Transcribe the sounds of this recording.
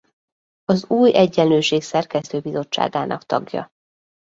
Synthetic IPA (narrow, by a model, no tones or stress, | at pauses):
ɒzuːjɛɟːɛnløːʃeːksɛrkɛst̪øːbizo̞t͡ʃːa̰ːɡaːnʔɒkt̪ɒ̰ɡjɒ̰